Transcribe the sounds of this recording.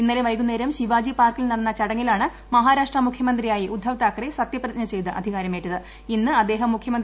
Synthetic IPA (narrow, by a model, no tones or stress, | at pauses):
inːɐleʋɐjkunːeːɾɐmɕiʋaːd͡ʑipaːrkilnɐɽɐnːɐt͡ɕɐɽɐŋːilaːɳɨ | mɐɦaːɾaːʂʈrɐmukʰjɐmɐnd̪rijaːjiʔud̪ʱːɐʋt̪aːkːɐresɐt̪jɐprɐt̪iɲnɐt͡ɕe̞jt̪ɨʔɐ̰d̪ʱiɣaːɾɐmejʈːɐðɨ | inːɨɐd̪ːe̞ːɦɐmːukʰjɐmɐnd̪